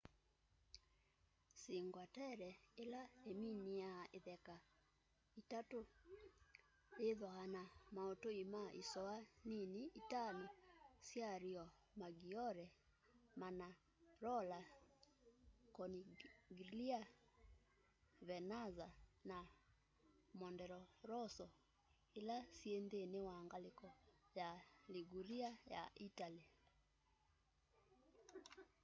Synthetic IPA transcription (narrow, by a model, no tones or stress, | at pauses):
siŋɡwatɛɾɛelaeminiaʔeðɛka | itato | eðɔanamaɔtoimaʔisɔaniniitanɔsjaɾiɔ | maɡiɔɾɛ | mana | ɾɔla | kɔniɡilia | βɛnazana | mɔndɛɾɔɾɔsɔ | elasiendenewaŋɡalekɔjaliɡuɾiaja̰ʔitali